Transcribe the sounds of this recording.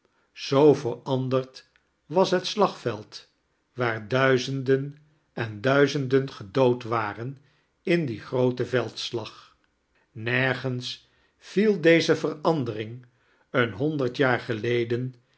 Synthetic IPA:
z̥owvərɑndərt | ʋɑsɦətslɑχfɛlˠt | ʋaːɹdœɥzəndən | ɛndœɥzəndənχədowtʋaːrən | ɪndiχrowtəvɛlˠtslɑχ | nɛɹχəns | filˠdejzəvərɑndərɪŋ | ənɦɔndəɹtjaːɹχəlejdən

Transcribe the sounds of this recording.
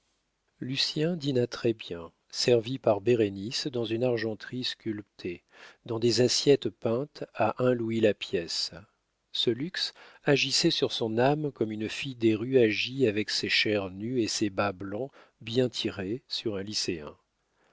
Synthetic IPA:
lysjɛ̃d̪inat̪χɛbjɛ̃ | sɛʁvipaʁbeʁenisd̪ɑ̃zynaʁʒɑ̃t̪χiskʲylpt̪ʰe | d̪ɑ̃d̪ezasjɛt̪pɛ̃t̪aʔɛ̃lwilapjɛsː | əlyks | aʒisɛsyʁsɔ̃namkɔmynfijd̪eʁyaʒiavɛkseʃɛʁnyesebablɑ̃ | bjɛ̃t̪ʰiʁesyʁɛ̃liseɛ̰̃

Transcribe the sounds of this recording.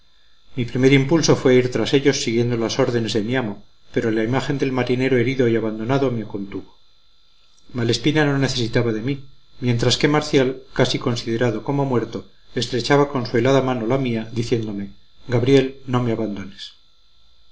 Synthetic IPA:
mipɾime̞ɾimpulso̞fwe̞aiɾt̪ɾase̞ʎo̞sːiɣje̞nd̪olaso̞ɾðe̞ne̞zðe̞miamo̞ | pe̞ɾo̞laimaxe̞nd̪e̞lmaɾine̞ɾoe̞ɾiðo̞iaβand̪o̞naðo̞meako̞nt̪uβo̞ | male̞spinano̞ne̞θe̞sit̪aβaðe̞mimje̞nt̪ɾaske̞maɾθjalkasiko̞nsið̞e̞ɾaðo̞ko̞mo̞mwe̞ɾt̪o̞ | e̞st̪ɾe̞t͡ʃaβako̞nsue̞laðamano̞lamiaðiθje̞nd̪o̞me̞ | ɡaβɾje̞lno̞me̞aβand̪o̞nes

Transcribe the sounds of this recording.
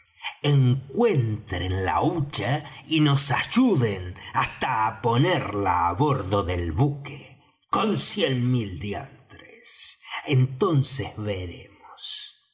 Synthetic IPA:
eŋkwe̞nt̪ɾenla̰ut͡ʃaino̞saʒuðenast̪aːpo̞neɾla̰ːβoɾðo̞ðelβuke | ko̞nsjenmild̪ja̰nt̪ɾḛsent̪o̞nsezβeɾḛmos

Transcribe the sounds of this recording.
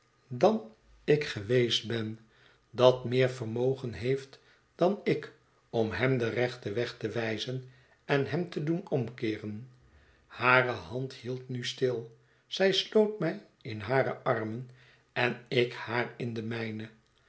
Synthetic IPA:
dɑn | ɪkχəʋejsd̚bɛn | dɑtmɪːɹvərmowχənɦejft | d̥ɑnɪk | ɔmɦɛmdərɛχtəʋɛχtəʋɛjzən | ɛnɦɛmtədunɔmkɪːrən | haːrəhɑnthilˠtnystɪlˠ | z̥ɛjslowtmɛj | ɪnɦaːɾə̰ʔɑrmən | ɛnɪkhaːrɪndəmɛjnə

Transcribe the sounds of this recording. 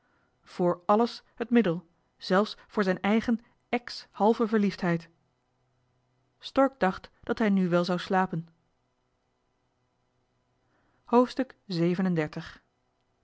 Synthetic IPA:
v̥ʊːɹɑləsɦətmɪdəlˠ | z̥ɛlˠfsfʊːɹzɛjnɛjχən | ɛkshɑlˠvəvəɹliftɦɛjt | stɔɹɡ̚dɑχtd̥ɑtɦɛjnyʋɛlˠzɑwslaːpən | howftstɵkzejvənəndɛɹtəχ

